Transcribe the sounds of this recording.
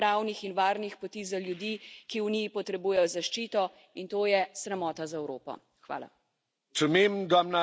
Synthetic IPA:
ɾaːwnixinʋaːɾnixpɔt̪izaljud̪iːkiuniːpɔt̪ɾɛbuːjɛjɔzaʃt͡ʃiːt̪ɔ | int̪oːjɛsɾɛmɔːt̪azaɛwɾoːpɔ̰ | xʋa̰ːla̰ | sumeːmɡ̪ɔmna

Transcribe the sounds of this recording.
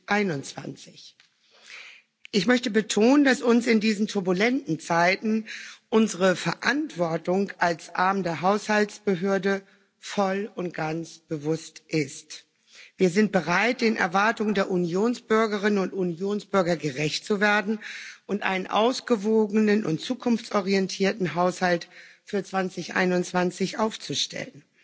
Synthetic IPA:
ʔaɪnʊnt͡sv̥a̰nt͡sɪç | ʔɪçmœçtəbətʰoːnəndasʊnsɪndiːzn̩tʰʊɐbulɛntn̩t͡saɪtn̩ʔʊnzəʁəfɛɐʔantv̥ɔɐtʊŋkʔalsʔaɐmdeːɐɦaʊshaltsb̥əɦøːɐdə | fɔlʊnt̚ɡ̥ansb̥əvʊstʔɪst | v̥iːɐzɪnt̚b̥əʁaɪt̚d̥ɪnʔɛ̰ɐvaɐtʊŋəndeːɐʔunjoːnsb̥ʏɐɡəʁ̞ɪnənʊntunjoːnsb̥ʏɐɡɐɡəʁɛçt̚t͡suveːɐdn̩ʔʊntʔa̰ɪnənʔa̰ʊsɡ̥əvoːɡənənʔʊ̰ntt͡suːkʰʊnft͡sʔɔʁiɛntʰiːɐtn̩ɦaʊshaltfyːɐt͡sv̥ant͡sɪçʔa̰ɪnʊnt͡sv̥ant͡sɪçʔaʊft͡suʃtʰɛ̰lən

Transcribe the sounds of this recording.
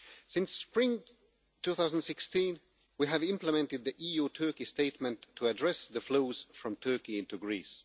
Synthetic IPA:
sɪ̃nsːpɹɪ̃ŋ | tʰuθaʊzə̃n̩dsɪkstĩn | wiɨvɪ̃mpləmɛ̃ntɨd̪̚ðiʔijutʰɜ˞kisteɪt̚mɨ̃ntʰːəədɹɛsðɨfloʊz̥fɹʌ̃mtʰɜ˞kiɪ̃ntuɡɹis

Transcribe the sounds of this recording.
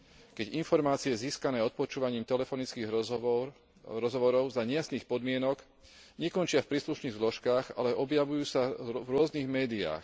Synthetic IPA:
kɛɟinfɔɾmaːt͡siɛziːskanɛːɔt̪̚pɔt͡ʃuːʋaɲiːmt̪ɛlɛfɔnit͡skiːɣ | ɾɔzɦɔʋɔɾɔʊzaɲɛjasniːxpɔd̪mɪɛnɔɡ | ɲɛkɔnt͡ʃɪafpɾiːsluʃniːɣzlɔʃkaːɣa̰lɛʔɔbjaʋujuːsavɾʊɔzniɣmɛːd̪ia̰ːx

